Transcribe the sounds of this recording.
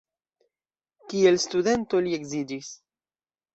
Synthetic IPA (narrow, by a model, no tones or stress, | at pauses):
kielst̪ud̪e̞nt̪olie̞ɡzid͡ʒis